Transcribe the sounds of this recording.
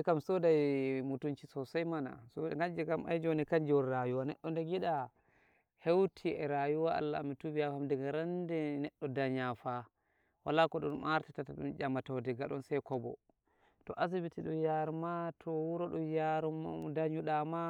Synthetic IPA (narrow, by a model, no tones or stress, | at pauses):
ɛkamsɔdajmutunt͡ʃisɔsajmana̰sɔɡand͡ʒɛkama̰jd͡ʒɔnɛkaɲd͡ʒwɔɾɾajuwanɛ̰ɗːɔndɛɡiɗa | hewtʰiɛɾajuwaa̰lːamitubijahamdɛɡaɾandɛnɛɗːɔdaɲafa | walakɔɗɔ̰nmaɾtatataɗṵnd͡ʒamatɔwdɛɡaɗɔnsɛjkɔbɔ̰ | tɔ̰ʔazibitiɗɔnjaɾmatʰɔwuɾɔɗɔjaɾdaɲuɗama